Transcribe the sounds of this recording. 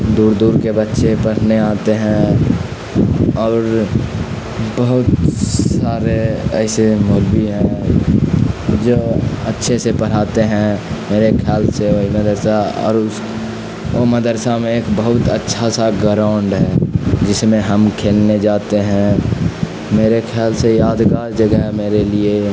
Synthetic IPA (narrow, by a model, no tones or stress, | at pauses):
d̪uːɾd̪uːɾkebətːʃepəɽ̤neaːt̪eɦɛ̃ | ɔːɾ | bəɦʊt̪saːɾeɛːsemolbiɦɛ̃ | d͡ʒoːətːʃʰesepəɽ̤aːt̪eɦɛ̃meːɾekʰaːlseoiməd̪əɾsaɔ̰ːɾʊs | oməd̪əɾsamẽeːkbəɦʊt̪ətːʃʰasaɡəɾaʊɳɖɦɛːd͡ʒɪsmẽɦəmkʰeːlned͡ʒaːt̪eɦɛ̃ | meːɾekʰjaːlsejaːd̪ɡaɾd͡ʒəɡəɦmeːɾelie